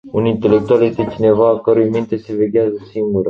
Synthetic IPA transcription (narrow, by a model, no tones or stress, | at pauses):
unint̪e̞le̞k̚t̪ualje̞st̪e̞t͡ʃine̞vaːkəɾujmint̪e̞se̞ve̞ɡʲeazəsiŋɡuɾə